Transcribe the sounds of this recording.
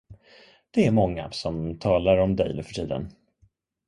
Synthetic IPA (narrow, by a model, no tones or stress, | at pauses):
d̪̥ɛæɾmɔŋːa̰sɔmt̪ʰɑːlaɾɔmd̪ɛjd̪ɵ̰fœ̥ʈʰiːd̪ə̰n